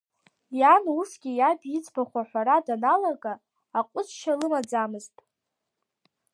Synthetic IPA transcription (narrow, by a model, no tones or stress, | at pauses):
janusɡʲijabit͡sʰʼbʰaχʷaħʷaɾadanalaɡʼaː | qʷʼʊsʃalɨmad͡zamɨztʼ